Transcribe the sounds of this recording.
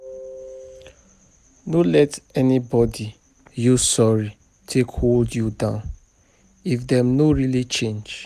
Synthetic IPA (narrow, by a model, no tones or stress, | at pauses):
nolɛtɛnibɔdi | jusɔɹi | tʰekholdjudãʊ̃n | ifdɛ̃mnoɹilit͡ʃẽnd͡ʒ